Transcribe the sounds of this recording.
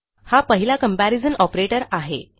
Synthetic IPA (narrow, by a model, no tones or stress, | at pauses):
hapəɦilakəmpæɾid͡zənɔpɾeʈəɾaɦḛ